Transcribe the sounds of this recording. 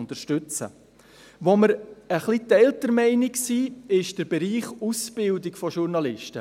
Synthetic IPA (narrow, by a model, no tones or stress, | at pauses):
ntəɾʃtʏt͡sə̰ | ʋoməɾəχlitɛltəɾmɛɪnɪksiːɪʃd̥əɾbɛɾiːχusb̥ɪldɪkfɔʃuɾnɑlɪʃtə